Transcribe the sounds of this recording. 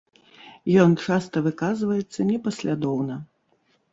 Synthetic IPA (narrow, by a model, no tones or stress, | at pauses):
jɔnt͡ʂast̪ɐvɨkazvɐjɛt̪sːɐnʲɛpɐsʲlʲad̪ɔwnɐ